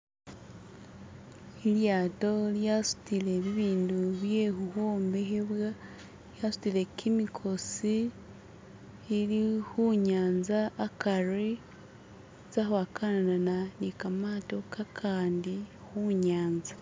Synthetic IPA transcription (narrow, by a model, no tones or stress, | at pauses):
iljaːto̞ljasu̥tile̞βiβiːnduβje̞huhoːmbeɦeβwa | jasu̥tile̞kʰimikʰo̞si | ɾihuɲaːnzaːkaɾe | zahwakʰananananikamaːto̞kʰakʰaːndi | huɲaːnza